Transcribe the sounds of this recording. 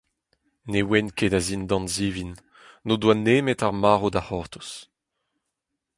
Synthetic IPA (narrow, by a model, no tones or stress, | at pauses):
newɛnkedazind̪ɑ̃nziːvinː | odwaneːmetaʁmaːʁodahɔʁt̪u̥s